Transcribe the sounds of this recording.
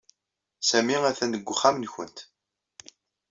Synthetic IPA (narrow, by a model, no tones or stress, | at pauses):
sæmiæθænəɡʷːχːamnçənt̪